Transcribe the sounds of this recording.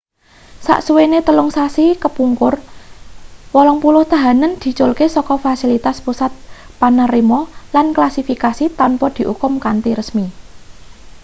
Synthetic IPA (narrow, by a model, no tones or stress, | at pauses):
sa̰ʔsuwenet̪əlʊŋsasikəpuŋkʊr | wɔlɔŋpulʊht̪a̤ɦanənd̪̥i̤t͡ʃolkesɔkɔfasilit̪aspusat̪̚ | panarimɔlanklasifikasit̪anpɔd̪̥i̤ʔukʊmkant̪iɾəsmi